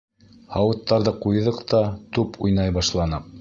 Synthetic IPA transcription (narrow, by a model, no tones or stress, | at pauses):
hɑwɤ̆t̪ːɑɾðɤqujðɤqt̪ɑt̪upʰujnɑjbɑʃlˠɑnɤq̚